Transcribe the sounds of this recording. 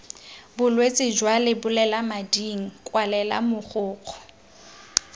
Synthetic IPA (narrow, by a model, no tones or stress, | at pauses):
bʊlwet͡sʼɪd͡ʒwalɪbʊlɛlamadiŋ̩kʼwalɛla̰mʊχʊːq͡χʰɔ̥